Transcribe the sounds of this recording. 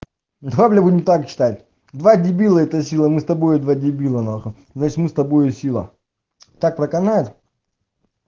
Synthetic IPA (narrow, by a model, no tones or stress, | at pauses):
d̪ɾablʲɛbudʲɪmt̪akt͡ɕɪ̥t̪atʲ | d̪vadʲɪbʲilˠəɛt̪əsʲilˠəmɨst̪ɐbojʊd̪vadʲɪbʲilˠənaxɨ | znat͡ɕɪt̪mɨst̪ɐbojʊsʲilˠə̰ | t̪ak̚pɾəkɐnajɪt̪